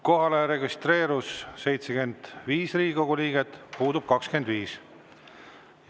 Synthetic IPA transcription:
ko̞ɦɑle̞ɾe̞ɡist̪re̞ːɾusːe̞jt̪seɡe̞nd̪̥viːsriːɡʲiko̞ɡ̥uliːɡ̥et̪ːˑpuːd̪ub̥kɑkske̞nd̪viːs

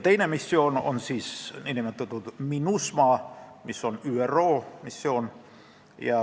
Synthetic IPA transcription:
t̪einæmisːioːno̰nsiːsnenemæt̪ːot̪ut̪minusmɑːmisːonyːæroːmisːioːn | jɑ

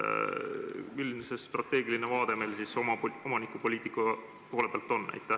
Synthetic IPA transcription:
milnsest̪rɑt̪ːˑe̞ːɡilinevɑːd̪̥e̞melsisomɑomɑnikːˑupo̞lʲiːt̪ːˑikːɑ | po̞ːle̞peɑlt̪ːˑo̞nːæ̰jt̪ːˑæ

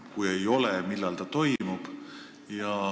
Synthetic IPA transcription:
kujejo̞lemilːɑlt̪ɑt̪o̞jmub̥ | jɑ

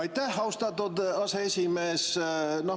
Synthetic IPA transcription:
ɑjt̪æhɑwst̪ɑt̪ud̪ɑseesʲimeːsno

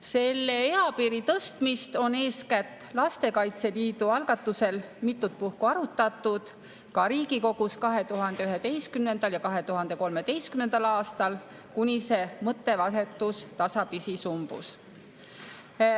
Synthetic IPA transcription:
se̞lːeeɑpiːɾit̪ɤst̪mist̪o̞ne̞ːskæt̪ːˑlɑst̪e̞kɑjt̪se̞liːd̪uɑlɡ̥ɑt̪ːuse̞lmit̪ˑːut̪̚puhkuɑɾut̪ːˑɑt̪ːud̪̥ | kɑɾiːɡ̥iko̞ɡ̥uskɑɦe̞t̪uɦɑnd̪̥eyɦe̞d̪e̞jst̪kymne̞nd̪̥ɑljɑkɑɦe̞t̪uɦɑnd̪̥e̞ko̞lme̞d̪̥e̞jst̪̚kymnenɑlɑːst̪ɑl | kunʲise̞mɤt̪ːe̞vɑse̞t̪ːˑust̪ɑsɑpisisumb̥ṵs

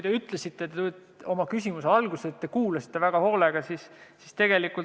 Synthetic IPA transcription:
ujt̪eyt̪ˑlesit̪ːet̪et̪u | o̞mɑkysʲimuseɑlɡ̥uset̪ːe̞kuːlɑsi̥t̪ːe̞væɡ̥ɑho̞ːleɡ̥ɑsissist̪e̞ɡ̥e̞likːˑult

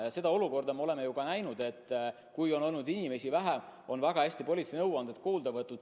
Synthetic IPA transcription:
se̞d̪ɑo̞luko̞rd̪̥ɑmeo̞le̞me̞jukɑnæjnud̪̥e̞t̪ːˑ | kujo̞no̞lnud̪inʲimesivæɦeo̞nvæɡ̥ɑɦæsʲt̪ipo̞lʲit̪senɤwɑnd̪et̪̚koːld̪ɑvɤt̪ˑːud̪̥

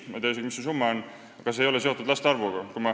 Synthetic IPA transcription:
mɑ̰t̪ejseɡmisusumːɑonː | ɡ̥ɑs̬ejo̞le̞set̪ːˑud̪̥lɑst̪eɑrvuɡ̥ɑkujmɑ

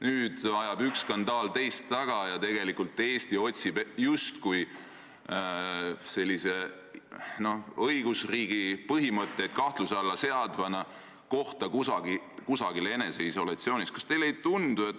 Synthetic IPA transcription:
nyːd̪̥ɑjɑbykskɑnd̪ɑːlt̪e̞jst̪ːɑɡ̥ɑjɑt̪e̞ɡ̥e̞likult̪ːe̞ːst̪io̞t̪ʲsib̥just̪kuj | se̞lʲːise̞ | no̞hɤjɡ̥usriːɡ̥ipɤɦimɤt̪ˑːeːt̪kɑht̪lusɑlːɑse̞ɑd̪vɑnɑ | ko̞ht̪ɑkusɑɡ̥i | kusɑɡ̥ile̞ne̞se̞iso̞lɑt̪sioːniskɑst̪e̞jlejt̪und̪̥ue̞t̪ːˑ

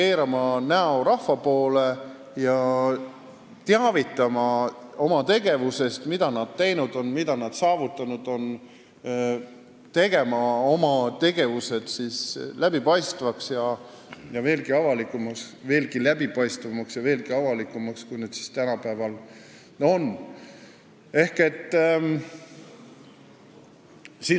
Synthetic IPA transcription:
e̞ːɾɑmɑnæo̞ɾɑhvɑpo̞ːle | jɑ | t̪eɑvit̪ːˑɑmɑo̞mɑt̪e̞ɡe̞vuse̞st̪mid̪̥ɑnɑd̪̥̚t̪e̞jnud̪̥o̞nmid̪̥ɑnɑd̪̥sɑːvut̪ːˑɑnud̪̥o̞n | t̪e̞ɡ̥e̞mɑomɑt̪e̞ɡ̥e̞vuse̞d̪̥sislæb̥ipɑjst̪vɑksjɑ | jɑve̞ːlɡiɑvɑlikːˑumɑsve̞ːlɡilæb̥ipɑjst̪vɑmɑksjɑve̞ːlɡiɑvɑlikːˑumɑkskujned̪si̥st̪ænɑpæevɑl | o̞n | e̞hke̞t̪ː | si

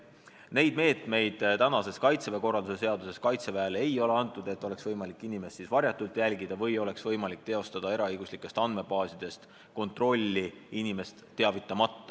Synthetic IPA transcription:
ne̞jd̪̚me̞ːt̪me̞jd̪̥t̪ænɑse̞skɑjt̪seveko̞rːɑld̪use̞se̞ɑd̪use̞skɑjt̪se̞væele̞jo̞le̞ɑnt̪ˑːud̪̥e̞t̪ːˑo̞le̞ksvɤjmɑlikːˑinime̞stːisvɑɾjɑt̪ːˑult̪ˑjælɡid̪̥ɑvɤjo̞le̞ksvɤjmɑlik̚t̪eo̞st̪ɑd̪̥ɑeɾɑɤjɡ̥uslikːˑe̞st̪ɑnd̪me̞bɑːsid̪̥e̞st̪ | ko̞nt̪ro̞lʲːiinime̞st̪ːe̞ɑvit̪ːˑɑmɑt̪ːɑ̥

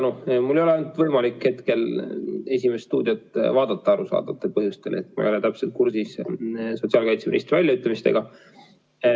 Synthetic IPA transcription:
numulːejoeont̪vɤjmɑlikhe̞t̪ke̞le̞sʲimesːt̪uːd̪̥ʲiot̪ːˑvɑːd̪̥ɑt̪ˑːɑɑɾusɑ̰ːd̪̥ɑt̪ːˑepɤɦjust̪enḛt̪ːmɑ̰jolet̪æpset̪̚kursisso̞t̪siɑlkɑjt̪seɾḭst̪vælʲjɑyt̪lːɑmist̪e̞̰ɡ̥ɑ

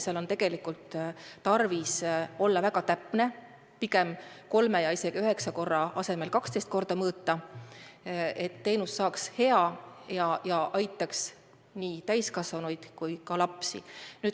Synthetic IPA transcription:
selo̞nt̪e̞ɡ̥e̞likːult̪t̪ɑrviso̞lːɑvæɡ̥ɑt̪æpˑne̞ | pike̞mko̞lme̞jɑise̞ɡ̥iyɦe̞ksɑko̞rːɑɑse̞me̞lkɑkst̪est̪ko̞rd̪̥ɑmɤːt̪ˑːɑ | e̞t̪ːe̞jnusːɑːkshe̞ɑjɑjɑʔɑjt̪ːˑɑks | niːt̪æjskɑsvɑnujd̪̥kujkɑlɑpsḭnyːd̪

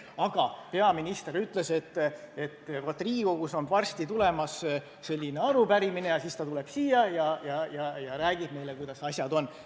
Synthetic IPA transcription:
ɑɡ̥ɑpe̞ɑminist̪e̞ɾyt̪ːˑle̞se̞t̪ːe̞t̪ːˑvot̪ːˑriːɡoɡ̥uso̞nvɑrst̪it̪ule̞mɑs | se̞lʲːine̞ɑɾupæɾimine̞jɑsist̪ɑt̪ule̞b̥siːjɑjɑjɑjɑjɑɾæːɡ̥ib̥̚me̞jlekujd̪̥ɑsɑsʲjɑd̪o̞n

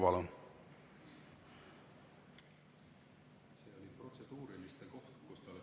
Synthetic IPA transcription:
vɑlɑn | se̞ːolʲipro̞t̪sed̪̥uːɾilist̪eko̞ht̪kust̪ɑole

